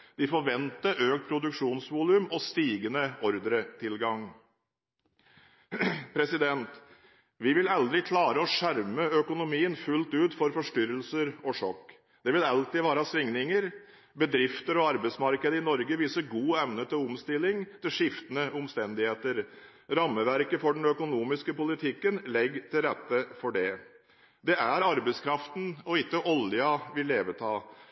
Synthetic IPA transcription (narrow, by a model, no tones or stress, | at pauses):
d̪̥ɪfɔɾʋɛnt̪əʔøːkt̪̚pʰɾʊd̪ʉkʂuːnsʋuːlʉmɔst̪iːɡənəɔɾd̪ɾət̪ʰɪlɡɑŋ | pʰɾɛsɪd̪ɛnt̪ | ʋɪʋɪlɑld̪ɾɪkʰlɑːɾəɔʂæɾməœkʊnʊmiːənfʉlt̪ʉːt̪fɔɾfɔʂʈʏɾəlsəɾɔʂɔkː | d̪̥ɛʋɪlɑlt̪ɪʋæːɾəɑsʋɪŋnɪŋəɾ | bəd̪ɾɪft̪əɾɔɑɾbəɪt̪smɑɾkəd̪əɪnɔɾɡəʋiːsəɾɡuːɛʋnət̪ʰɪlʊmst̪ɪlːɪŋt̪ʰɪlʂɪft̪ənəʊmst̪ɛnd̪ɪheːt̪əɾ | ɾɑmːəʋæɾkəfɔɖɛnœkʊnuːmɪskəpʊlɪt̪ʰɪkːənlɛɡːt̪ʰɪlɾɛt̪ːəfɔɖɛ | d̪ɛæɾɑɾbəɪskʰɾɑft̪n̩ɔɪkːəʔɔljɑʋɪlːeːʋət̪ʰɑː